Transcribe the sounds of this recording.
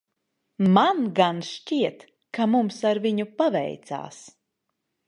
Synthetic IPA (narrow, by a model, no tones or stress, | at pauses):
manɡanʃt͡ʃʲiɛt̪ | kamumsaɾviɲupavɛ̰jt̪sa̰ːs